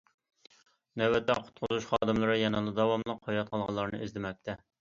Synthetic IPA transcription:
nɛwɛt̪ːɛ̰qʰʊ̥t̪̚qʰʊzuʃχɑːd̪ɨmlˠɨɾɨjɛnɑlˠɨd̪ɑwɑmlˠəqʰːojɑt̪̚qʰɑlˠʁɑlˠːɑɾnɨizlɪmɛk̚ʲt̪ʰɛ

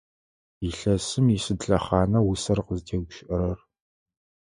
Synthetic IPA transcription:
iɬɐsɨmisɨdɮɐχɑːnɐwʊsɐrqəztʰeːɡʷʊʃɪʔɐɾɐr

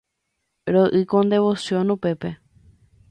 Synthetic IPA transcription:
ɾoʔɨkõnd̪e̞ʋo̞sjõnũpe̞pe̞

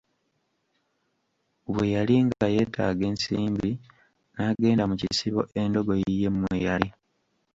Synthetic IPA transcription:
oβwejaliŋɡaje̞ːtʰa̰ːɡe̞ːnsiːmbi | naːɡe̞ːndamucisiβo̞̰ʔe̞ndo̞ɡojije̞mːwḛjali

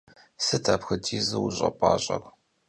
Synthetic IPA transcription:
sɨtʰaːpxɨtʰiːzɨwuɕʼɐpʼɑːɕʼɐr

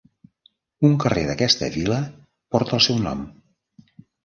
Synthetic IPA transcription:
uŋkəreðəkɛst̪ə̰βilə | pɔɾt̪əːlˠsɛwnɔ̰m

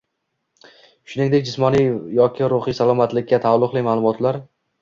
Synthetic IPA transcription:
ʃʊnɪŋd̪ekʲd͡ʒɪsmɒnijjɒkʲʰɪɾʊχɪjsalˠɒmat̪lɪkʲːat̪ʰalˠːʊqlˠɪmaːlˠʊmɒt̪ʰlaɾ

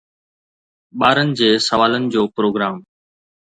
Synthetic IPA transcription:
ɓaːɾənɪ̆d͡ʑeːsəʋaːlənɪ̆d͡ʑoːpɾoːɡɾaːm

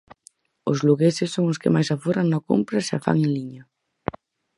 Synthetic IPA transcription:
ʊzluɣesɪsːoŋʊskɪ̰majsaforaŋnako̰mpɾasa̰fa̰ŋeliɲɐ

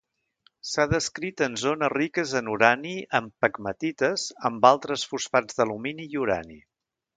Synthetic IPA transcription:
saðəskɾit̪ənzonərikəzənuɾaniʔəmpəkmət̪it̪əzəmbalˠt̪ɾəsfusfad͡zðəluminiːuɾa̰nḭ

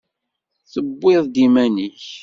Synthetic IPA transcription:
θəbːeðˤd̪imæniç

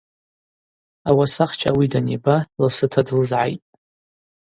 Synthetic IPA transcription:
awasaχt͡ʃʰa̰widanebalasɨtʰadɨlzʕa̰jtʼ

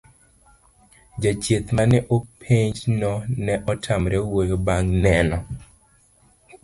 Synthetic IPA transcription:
d͡ʒat͡ʃet̪manɛʔopʰeɲd͡ʒnɔnɛʔɔtʰamɾɛwojobaŋnɛnɔ

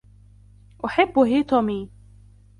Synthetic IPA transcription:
ʔʊħɪbːɦiːt̪ɔmiː

